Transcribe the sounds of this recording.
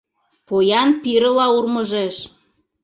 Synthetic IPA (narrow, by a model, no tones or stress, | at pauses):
pojɑnpiɾəlɑurməʒeʃ